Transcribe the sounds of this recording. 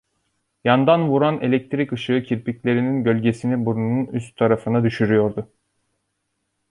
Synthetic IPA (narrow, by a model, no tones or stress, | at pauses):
jand̪anvuɾane̞lʲec̚t̪ʰɾikɯʃɯɯcʰiɾpicʲlʲe̞ɾininɟølʲɟe̞sinibuɾunnunyst̪t̪ʰːaɾafɯnad̪yʃyɾyjo̞ɾd̪ʊ